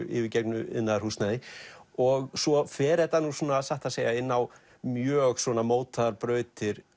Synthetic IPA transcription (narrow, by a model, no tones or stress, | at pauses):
ɪ̰vɪcejknʏɪ̰nːaðrhust̪naðɪɔɣsɔfɛːɾɛt̪anusɔːnaːðsaht̪aðseːjaɪnːaw | mjœːɣswɔnamoːwt̪aðaɾpɾœːɥt̪ɪɾ̥